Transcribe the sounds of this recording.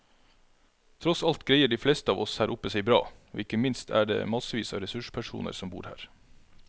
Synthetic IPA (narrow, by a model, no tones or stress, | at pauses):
t̪ʰɾɔsɑlt̪ɡɾeɪəɖiːflɛst̪əɑːʋʔɔshæːɾʔʊpːəsɛɪbɾɑ̰ːo̰ːɪkəmɪnst̪ʰæ̰ːɖḛːmɑsəʋiːsɑ̰ːʋɾɛsʉʂpʰæʂṵːnə̰ɾsɔmbṵːɾhæ̰ːɾ